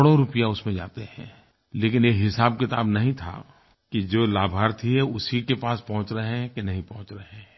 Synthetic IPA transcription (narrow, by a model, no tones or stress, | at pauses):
ɽoɾʊpijaʊsmẽd͡ʒa̰ːt̪eɦɛ̰̃ː | leːkɪnjeɦɪsaːb̚kɪt̪aːbnɐɦĩt̪ʰa̰ | kid͡ʒoːlaːbʱaːɾt̪ʰiɦɛʊsikepaːspɐɦʊ̃t͡ʃɾɐɦẽɦkenɐɦĩpɐ̃ɦʊ̃t͡ʃɾɐɦẽ